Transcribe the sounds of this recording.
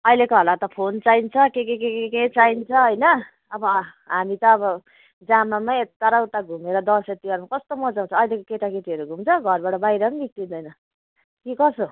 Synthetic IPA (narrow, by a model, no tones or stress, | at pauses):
ʌjlekoɦʌlat̪ʌpʰont͡saint͡sʰʌkekekekeket͡saint͡sʰʌɦʌjnʌ | ʌbʌɦamit̪ʌːbʌ | d͡zamamaet̪ːʌɾawt̪aɡʱumeɾʌd̪ʌset̪ːiwaɾmakʌst̪omʌd͡zaw̃nt͡sʰʌːjlekokeʈakeʈiʌɾuɡʱumt͡sʰʌɡʱʌrbaʈʌbajɾʌʌnbik̚t̪ind̪ʌjnʌ | kikʌso